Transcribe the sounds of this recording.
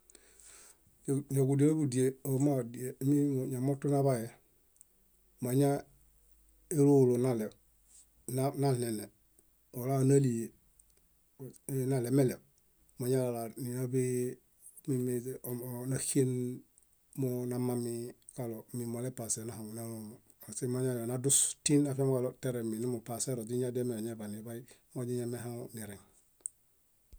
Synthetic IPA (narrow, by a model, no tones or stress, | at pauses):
ɲoɡudielbudieomadiemioɲamotːunaβaje | maɲa | elulonale | nananene | olanalije | nalemele | moɲalalaniabi | mimenaxen | monamami | kalomimolepasenahaŋnalumo | osimaɲajonadustinafemwaloteɾeminimupaseɾod͡ʒiɲademeɲebanibajimoɟiɲemeɦaniɾeŋ